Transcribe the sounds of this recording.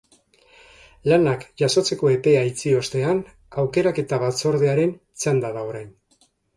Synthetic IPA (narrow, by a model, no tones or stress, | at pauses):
lanakʝaso̞t͡se̞ko̞e̞pe̞ait͡sio̞st̪e̞an | awke̞ɾake̞t̪aβat͡so̞ɾðe̞aɾe̞n | t͡sand̪aðao̞ɾajn